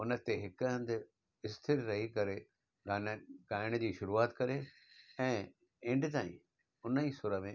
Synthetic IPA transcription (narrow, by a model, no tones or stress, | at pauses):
ʊnə̆t̪eɦɪkɦə̃nd̪ | ɪst̪ʰɪɾːɐɦikɐɾe | ɡaːnɡaːɪɽ̃d͡ʑiːʃʊɾuaːt̪kɐɾe | ɛ̃ː | ɪ̃ɳɖɪt̪aːḭ̃ | ʊnəisʊɾəmẽ